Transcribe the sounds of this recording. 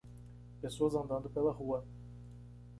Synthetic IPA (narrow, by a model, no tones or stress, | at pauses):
pesoɐzɐ̃nd̪ɐ̃nd̪ʊpelɐhuɐ